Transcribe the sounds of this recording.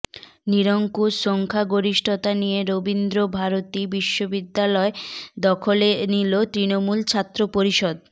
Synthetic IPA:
niɾoŋkuʃoŋkʰaɡoɾiʃʈʰot̪anijeɾobind̪ɾobʱaɾot̪ibiʃːobid̪ːalɔed̪ɔkʰolenilot̪ɾinomult͡ɕʰat̪ːɾopoɾiʃɔd̪̚

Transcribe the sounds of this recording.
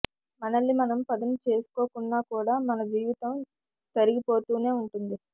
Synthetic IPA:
mɐnɐlːimɐnɐmpɐd̪ɐmt͡ʃe̞ːsu̥koːkunːaːkuːɽaːmɐnɐd͡ʒiːʋit̪ɐm | t̪ɐɾiɡipo̞ːt̪uːne̞ːuɳʈund̪i

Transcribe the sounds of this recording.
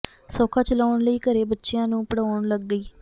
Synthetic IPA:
sɔːkʰaːt͡ʃəlaːʊɳləiːkəɾeːbətːʃjãːnũːpəɽaːɳləɡːəiː

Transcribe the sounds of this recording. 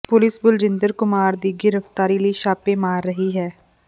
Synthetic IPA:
pʊlɪsbʊld͡ʒɪnd̪əɾkʊmaːɾd̪iːɡɪɾəft̪aːɾiːləiːʃaːpẽːmaːɾːəɦiːɦɛː

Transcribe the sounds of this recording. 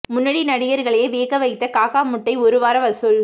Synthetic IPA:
mʊnːɐɽinɐɽɪjɐɾɣɐɭɐjeʋeːɣɐʋɐɪt̪ːɐkaːɣaːmʊʈːɐɪɔɾɯʋaːɾɐʋɐsɯl

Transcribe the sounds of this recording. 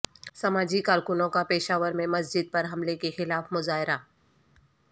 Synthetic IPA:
sɐmaːd͡ʒikaːɾkʊnõkapeːʃaːʋəɾmẽmɐs̬d͡ʒɪd̪̚pɐɾɦɐmlekexɪlaːfmʊzaːɦɪɾa

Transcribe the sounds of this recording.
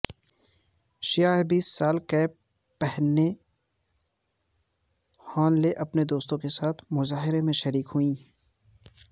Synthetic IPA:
ʃijaːɦbiːsːaːlkɛː | pɛɦne | haːnleʔɐpned̪oːst̪õkesaːt̪ʰmʊzaːɦɪɾemẽʃɐɾiːkɦuĩː

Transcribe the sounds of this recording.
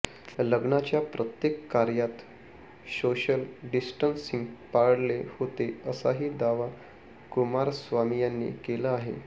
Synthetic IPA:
ləɡɳat͡ɕjapɾət̪jekːaɾjat̪ | soɕəlɖisʈənsiŋɡpaɽlehot̪eəsaɦiːd̪aʋa | kumaɾsʋamijanːḭkeləaɦḛ

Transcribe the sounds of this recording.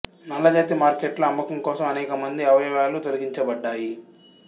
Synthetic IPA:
nɐlːɐd͡ʒaːt̪imaːɾkeːʈlɐɐmːɐkɐmkɔːsɐmɐnɛːkɐmɐnd̪iɐʋɐɐʋaːlut̪oliɡiɲt͡ʃɐbɐɖːaːji

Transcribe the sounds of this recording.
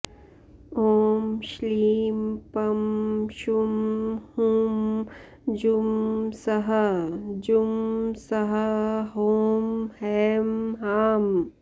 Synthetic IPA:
oːmʃliːmpɐmʃumhuːm | d͡ʒumsɐɦɐd͡ʒumsɐɦɐɦoːmhɛːmɦaːm

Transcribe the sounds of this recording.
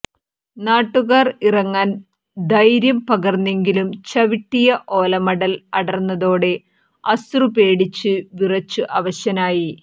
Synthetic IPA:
naːʈːuɣaːrirɐŋːaːn | d̪ɐjɾjɐmpɐɣɐrnːe̞ŋɡilumt͡ɕɐʋiʈːijɐʔo̞ːlɐmɐɽɐlɐɽɐrnːɐðo̞ːɽe̞ | ɐst̪rupe̞ːɽit͡ɕːɨʋirɐt͡ɕːuʔɐʋɐɕɐnaːji

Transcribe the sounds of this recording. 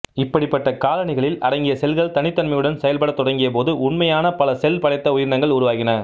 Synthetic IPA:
ɪpːɐɽɪpːɐʈːɐkaːlɐnɪɣɐɭɪlɐ̰ɾɐŋɡɪjɐsɛlɣɐɭt̪ɐnɪt̪ːɐnmɐjɯɽɐnsɛjɐlpɐɽɐt̪ːɔɽɐŋɡɪjɐpoːðɯʊnmɐjaːnɐpɐlɐsɛlpɐɽɐɪt̪ːɐʊjɪɾnɐŋɡɐɭʊɾʊʋaːɣɪnɐ

